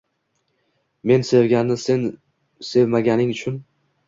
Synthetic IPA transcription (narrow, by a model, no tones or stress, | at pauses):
me̞nse̞vɡʲanːɪsen | se̞vmaɡʲanɪŋʊt͡ʃʰʊn